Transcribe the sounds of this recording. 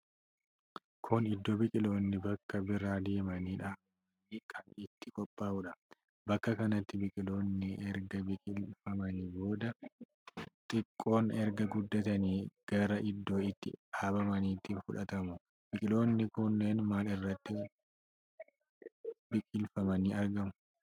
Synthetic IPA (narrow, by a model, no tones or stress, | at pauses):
kʰʊnɪd̪ːobɪkʼɪlo̞ːnːɪbɐkːɐbɪɾaːd̪eːmɐniːᶑaːɐ | niːkʰɐnɪt̪ːɪkʼɔpʼːaːʊᶑɐ | bɐkːɐkɐnɐt̪ːɪbɪkʼɪlo̞ːnːɪɛɾɡɐbɪkʼɪlfɐmɐniːbo̞ːd̪ɐ | t̪ʼɪkʼːo̞ːnɛɾɡɐɡʊd̪ːɐt̪ɐniːɡ̥ɐɾɐʔɪd̪ːo̞ːɪt̪ːɪ̰ɐbɐmɐniːt̪iːnfʊᶑɐt̪ɐmʊ | b̥ɪkʼɪlo̞ːnːɪkʊnːe̞ːnmaːlɪrːɐt̪ːɪ | bɪkʼɪlfɐmɐniːɐɾɡɐmʊ